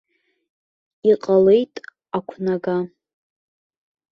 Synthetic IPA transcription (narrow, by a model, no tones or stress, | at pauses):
iqʼale̞jtʼ | akʷʰnaɡa